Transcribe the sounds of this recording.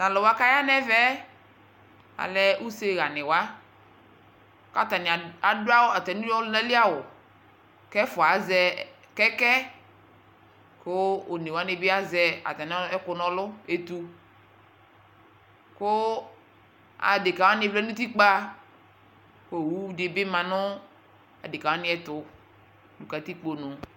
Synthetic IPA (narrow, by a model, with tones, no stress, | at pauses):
ta˨lɔ˨wa˦ka˦ja˦nɛ˦vɛ˦ | a̰˨lɛ˦ʔu˦se˦ɣa˨nɪ˨wa˦ | ka˦ta˨nɪ˨a˨dʊ˦a˦wʊ˦a˨tɛ˨ni˦ɔ˦lɛ˦lɪ˦a˦wʊ˨ | kɛ˦fʊ˨a˨˦zɛ˦ | kɛ˦kɛ˦ | kʊ˦o˨ni˨wa˨˦nɪ˦bɪ˦a˦zɛ˨a̰˨t̪a˨n˦ɛ˦kʊ˨nɔ̃˦lʊ˦e˨t̪u˨ | kʊ˦ | a̰˨dɪ˨ka˨wa˦nɪ̃˨˦flɛ˦nũ˦t̪i˦k͡pa˦ | ko˦˨wu˦dɪ˨bɪ˦mã˨nʊ˦ | a̰˨dɪ˨ka˨wa˦nɪ̃˦ɛ˨t̪ʊ˨ | du˨ka˨t̪i˦k͡po˨nʊ̃˨